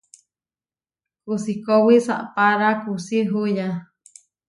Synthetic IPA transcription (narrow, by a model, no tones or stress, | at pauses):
kusikowisa̰ʔpaɾakusiɦuja